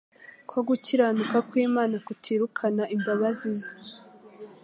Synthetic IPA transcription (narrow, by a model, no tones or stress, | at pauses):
kwoɡuciɾaːnukakwiːmaːnakutʰiːɾukʰanaʔimbaβazizi̥